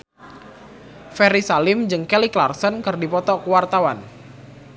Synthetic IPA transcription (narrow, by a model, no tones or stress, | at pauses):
fɛɾisalɪmd͡ʒɨŋkɛliklarsɔnkɨrdipɔt̪ɔkuwart̪awan